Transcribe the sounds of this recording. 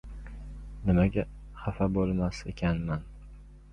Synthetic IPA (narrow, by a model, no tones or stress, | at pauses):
nɪmaɡʲa | χafabolˠmasḛkʲʰanman